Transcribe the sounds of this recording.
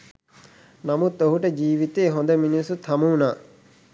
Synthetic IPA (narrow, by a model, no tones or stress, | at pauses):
namut̪oɦuʈəd͡ʒiːʋit̪eːɦond̪əminisut̪ʰɐmuːnaː